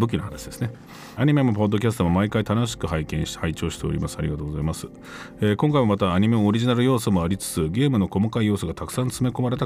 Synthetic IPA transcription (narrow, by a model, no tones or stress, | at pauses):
bɯ̟k̬ʲinohanaɕid̪e̞sɨ̥ne | aɲ̟ime̞mo̞p̬o̞d̪ːo̞kʲasɨ̥t̪omamaikait̪ano̞ɕ̬i̥kɯ̟ɦaikẽ̞ɕi̥hait͡ɕo̞ːɕi̥t̪e̞o̞ɾʲḭmasɨaɾʲiɡat̪o̞ːɡo̞zaimasɨ̥ | eːkõ̞ŋkaimamat̪aːɲ̟imeooɾʲiʑinaɾɯ̟jo̞ːsomo̞aɾʲit͡sɨ̥t͡sɨɡʲe̞ːmɯ̟no̞ko̞makaijo̞ːsoɡat̪akɯ̥sãnt͡sɨme̞ko̞maɾe̞t̪a